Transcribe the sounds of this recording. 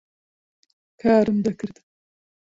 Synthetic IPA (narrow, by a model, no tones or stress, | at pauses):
kʰaːɾɨmd̪akʲʰɪɾd̪̥ɪ̥